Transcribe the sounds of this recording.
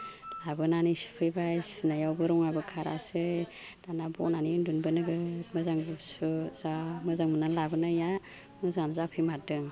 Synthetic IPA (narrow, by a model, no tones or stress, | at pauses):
labɯnanisu̥pʰɯjbajsunajawbɯɾɔŋabɯkʰaɾa̰sɯ | d̥anabɔ̰nanindunbɯnɯɡɯmɯzaŋbsuzamɯzaŋmɯnalabɯnaja | mɯzanzapʰɯjmatɯŋ